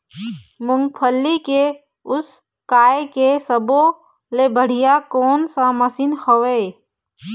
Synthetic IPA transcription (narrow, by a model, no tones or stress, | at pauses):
mʊ̃ŋɡpʰəlːike | ʊs | kaːjekesəbo | lebʱəɽ̤ijakoːnsãməsinxəʋeː